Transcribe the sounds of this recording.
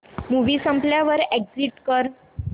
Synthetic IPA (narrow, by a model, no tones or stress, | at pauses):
muʋiːsəmpljaʋəɾeɡd͡ziʈkəɾ